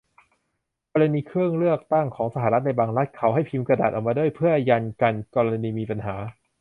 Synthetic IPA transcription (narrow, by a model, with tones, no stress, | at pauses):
kɔː˧ɾa˧niː˧kʰɾɯ˥˩əŋɾɯ˥˩ək̚t̪a˥˩ŋkʰɔː˩˦ŋsa˧ɦaː˧˦ɾa˦˥t̪̚na˧jbaː˧ŋɾa˦˥t̪̚kʰa˩˦wɦa˥˩jpʰi˧mkɾa˧daː˨˩t̪̚ʔ̚ːmaː˧du˥˩əjpʰɯ˥˩əja˧nka˧nkɔː˧ɾa˧niː˧miː˧pa˧nɦaː˩˦